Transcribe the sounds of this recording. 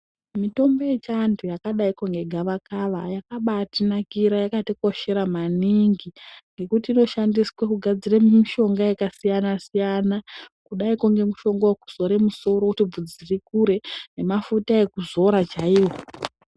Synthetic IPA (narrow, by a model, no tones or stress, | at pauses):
mito̞mbo̞je̞t͡ʃantʰujakaɗaikoŋɡe̞ɡʱaʋakaʋajakaɓatinakiɾajakatiko̞ʃe̞ɾamaniŋɡiŋɡe̞kutiːno̞ʃandiswakuɡʱad͡zirammiʃo̞ŋɡajekasijanasijanakuɗaikoŋɡe̞muʃo̞ŋɡoku̥so̞ɾe̞muso̞ɾokutib͡vud͡zirikuɾe̞ne̞mafutae̞kuzo̞ɾat͡ʃaiwo̞